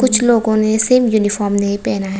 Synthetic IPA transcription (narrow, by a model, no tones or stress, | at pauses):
kʊt͡ʃʰloːɡõneseːmjunifɔːɾmnepɛːnaɦ